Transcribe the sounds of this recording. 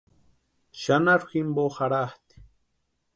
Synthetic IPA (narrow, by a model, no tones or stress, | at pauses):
ʃanaɾximboxaɾaht̪i̥